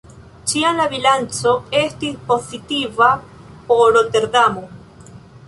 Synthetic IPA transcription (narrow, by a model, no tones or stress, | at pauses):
t͡ʃianlaβilant͡soest̪iposit̪iβa | poɾot̪eɾðamo